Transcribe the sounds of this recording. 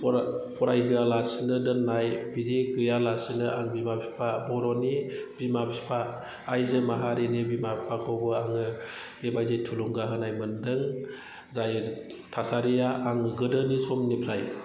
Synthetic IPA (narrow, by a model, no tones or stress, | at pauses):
ppʰɔɾajɦɯalasɯnɯdɯnːajbidiɡɯjalasɯnɯʔaŋbimapʰi̥pʰabɔɾɔnib̥imabipʰaː | jzɯmaɦaɾenibimabipʰakʰɔbɯaŋɯ | b̥ebajdetʰuluŋɡaɦɯnajmɯndɯŋ | zaj | tʰasaɾijaʔaŋɯɡɯdɯnisɔmnipʰɾaj